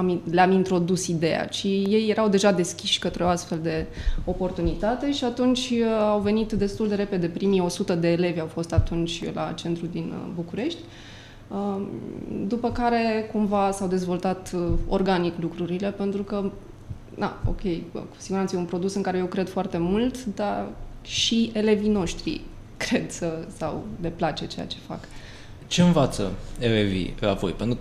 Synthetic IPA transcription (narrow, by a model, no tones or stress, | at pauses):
amleamint̪ɾo̞d̪usid̪e̞ja̰ʃije̞jːe̞ɾawd̪e̞ʒad̪e̞skʲiʃʲkət̪ɾeoast̪fe̞ld̪e̞o̞po̞rt̪unit̪at̪e̞ʃiat̪unt͡ʃʲawve̞nit̪d̪e̞st̪uld̪e̞ɾe̞pe̞d̪e̞pɾimio̞sut̪əd̪e̞ːle̞vʲawfo̞st̪at̪unt͡ʃʲla̰t͡ʃe̞nt̪ɾud̪inbukuɾe̞ʃt̪ʲ | ə | d̪upəkaɾe̞kumvasawd̪e̞zvo̞lt̪at̪o̞̰rɡaniklukɾuɾile̞pe̞nt̪ɾukə | d̪a̰o̞̰kʲe̞jku̥siɡuɾant̪səjeunpɾo̞d̪usɨnŋkaɾejewkɾe̞d̪̥foart̪e̞mult̪d̪aʃie̞le̞vino̞ʃt̪ɾḭ | kɾe̞d̪̥səsawle̞plat͡ʃe̞t͡ʃe̞ja̰t͡ʃe̞̥fa̰k | t͡ʃe̞ɨnvat̪sə̰elevḭla̰po̞̰jpent̪ɾu